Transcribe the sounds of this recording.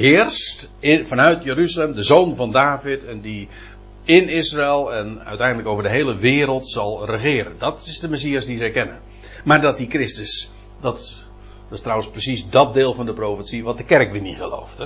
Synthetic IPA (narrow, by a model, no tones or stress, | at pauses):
hɪːrst | ɪnfɑnœɥtjəɾyzalɛmdəzoːnvɑndaːvɪtʰɛndi | ɪnɪsraɪlˠɛnœ̰ɥtɛjndləkowvərdəɦejləʋɪːɾəlˠtsɑlˠrəχɪːɾəndɑtɪzdəmɛs̬iasdizɛkɛnə | maːɹdɑt̚dikrɪstəs | dɑt | dɪstrawənsprəsiszdɑt̚dɪːlˠvɑndəproːfətsiʋɑt̚dəkɛrkʋiniχəlo̰wft